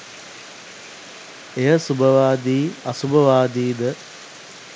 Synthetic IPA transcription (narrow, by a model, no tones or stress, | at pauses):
ejəsubʱəʋaːd̪iːɐsubʱəʋaːd̪iːd̪ə